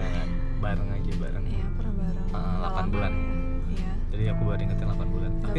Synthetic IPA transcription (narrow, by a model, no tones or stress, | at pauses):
aɾan | baɾəŋaɡiba̰ɾʔaŋ | ə | lakanbulan | d͡ʒadiakubadiŋət̪ɛŋlakanbulanakt̪i